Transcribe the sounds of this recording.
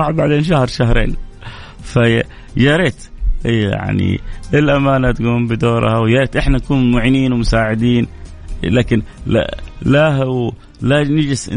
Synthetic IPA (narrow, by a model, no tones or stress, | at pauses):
ɑʕbaʕd̪eːnʃahɑɾˤʃahɾḛːn | fa | jɑɾeːt̪ʔja̰ʕnḭɪlʔamaːnat̪ɡuːmbɪd̪oːɾˤhawjɑɾeːt̪ʔɪħnaʔakuːnmʊʕiniːnwɪmʊsaːʕɪd̪iːn | laːkɪnla̰lahw | lanɪd͡ʒɪs